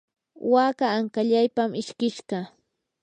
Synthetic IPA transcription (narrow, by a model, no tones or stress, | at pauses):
wakaːŋkaʎajpamɪʃkɪʃɢɑ